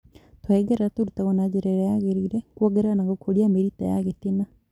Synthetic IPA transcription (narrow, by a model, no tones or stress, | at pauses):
t̪waiɡeɾɾat̪uɾut̪aɣonad͡ʒeɾɛɾajaɣeɾiɾekuaɡeɾanaɡokʰoɾiameɾit̪a̰ja̰ɣetina